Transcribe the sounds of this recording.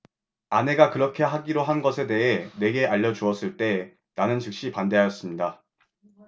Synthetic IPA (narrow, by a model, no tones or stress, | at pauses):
ane̞ɡakɯɾʌkʰe̞ɦaɡiɾoɦanɡʌsʰe̞de̞ɦe̞ne̞ɡe̞aʎːʌt͡ɕuʌs͈ɯɭt͈e̞ | nanɯnt͡ɕɯk̚ɕ͈ipande̞ɦajʌs͈ɯmɲida